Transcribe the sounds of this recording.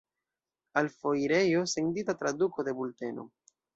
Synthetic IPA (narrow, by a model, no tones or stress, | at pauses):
alfo̞jɾe̞jo̞se̞ntitatɾaduko̞de̞bulte̞no̞̰